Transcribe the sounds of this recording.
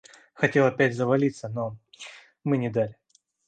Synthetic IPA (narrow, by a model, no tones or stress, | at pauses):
xɐtʲe̞lˠɐpʲætʲzəvɐlʲit̪səno | mɨnʲɪd̪alʲɪ